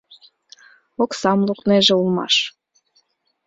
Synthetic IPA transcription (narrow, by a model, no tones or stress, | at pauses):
oksɑmlˠukneʒeulˠmɑ̰ʃ